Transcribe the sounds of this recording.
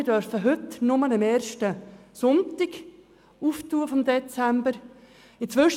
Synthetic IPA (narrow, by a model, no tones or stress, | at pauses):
ɪdœɾfəɦʏtnʊmənəmɛːɾʃtəsʊntɪɡ | uːftuːəfɔmd̪ɛt͡sɛmbəɾ | ɪnt͡sʋʏʃ